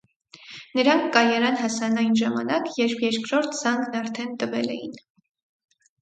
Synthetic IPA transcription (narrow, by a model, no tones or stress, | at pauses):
nəɾɑŋkʰːɑjɑɾɑnɦɑsɑnɑjnʒɑmɑnɑkjɛɾpʰjɛɾkɾɔɾt̪ʰz̥ɑŋɡnɑɾt̪ʰɛnt̪əvɛ̰lɛ̰jḭn